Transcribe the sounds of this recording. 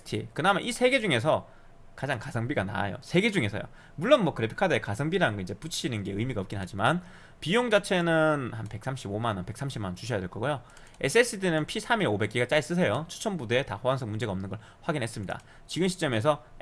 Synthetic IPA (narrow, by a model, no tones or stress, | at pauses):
stʰḭkɯnamaʔisʰe̞ɡe̞d͡ʑuŋe̞sʰʌ | kad͡ʑaŋkasʰʌŋbiɡana̰jo̰sʰe̞ɡe̞d͡ʑuŋe̞sʰʌjo̰ | muɭːʌnmwʌkɯɾepʰi̥kʰadɯekasʰʌŋbiɾanɯnɡʌind͡ʑe̞put͡ɕʰinɯnɡe̞ɯjmiɡaʌp̚k͈inɦad͡ʑiman | pijoŋd͡ʑat͡ɕʰe̞nɯnhanpe̞k̚s͈ʰamɕ͈ʰibomanʌpe̞k̚s͈ʰamɕʰimannt͡ɕuɕʰʌjadweɭk͈ʌɡojo | esʰɯes͈ʰɯtʰinɯnpʰisʰamiɾobe̞k͈iɡat͡ɕ͈ais͈ɯs̬ʰejot͡ɕʰu̥t͡ɕʰʌnbude̞tahoansʰʌŋmund͡ʑe̞ɡaʌmnɯnɡʌɭ | ɸwaɡinɦe̞s͈ɯmɲida̰ | t͡ɕiɡɯmɕʰi̥t͡ɕ͈ʌme̞s̬ʰʌ